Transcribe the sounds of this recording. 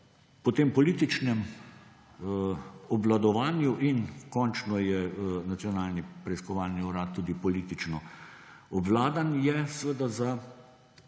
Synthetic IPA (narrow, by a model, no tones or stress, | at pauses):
pɔt̪eːmpɔliːt̪it͡ʃnɛm | ɔblad̪ɔʋaːnjuʔinkɔnt͡ʃnɔjɛnat̪siɔnaːlnipɾɛiskɔʋaːlniuɾaːt̪ːuːd̪ipɔliːt̪it͡ʃnɔ | ɔblaːd̪anjɛsʋed̪aza